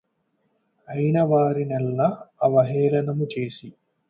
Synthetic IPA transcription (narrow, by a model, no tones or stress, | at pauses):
ɐjnɐʋaːɾinɛlːɐːʋɐɦɛːɾɐnɐmut͡ʃe̞ːsi